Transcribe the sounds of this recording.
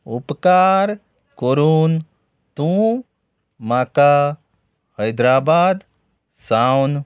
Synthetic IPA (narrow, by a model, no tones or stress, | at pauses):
upkaːɾ | koɾuːn | t̪ũ | maka | həjd̪ɾaːbaːd̪ | sawn